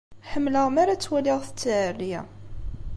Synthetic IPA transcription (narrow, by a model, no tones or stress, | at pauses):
ħəmːləʁmaɾat͡sːwælɪʁθə̥t͡sːʕərːijæ̰